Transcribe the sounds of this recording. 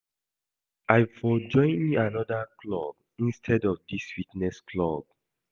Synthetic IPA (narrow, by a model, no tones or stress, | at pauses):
aɪvfɔd͡ʒɔ̃ɪ̃nmianɔdəklɔb̥ | ĩnstʰɛdɔvdiswitnɛskʰlɔb̥̚